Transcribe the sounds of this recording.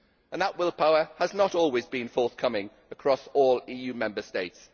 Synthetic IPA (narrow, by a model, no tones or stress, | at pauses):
ə̃nðəʔwɪlˠpʰaʊəəznəɾɔːlˠwɪzbĩnfɔˑθkʰʌmɪ̃ŋ | əkʰɹ̥ɒsɔːliːjʉːmɛ̃mbəsteɪts